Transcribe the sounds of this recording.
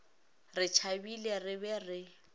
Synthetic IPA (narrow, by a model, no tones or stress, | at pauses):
rɪt͡ʃʰabilerɪbɛrɪ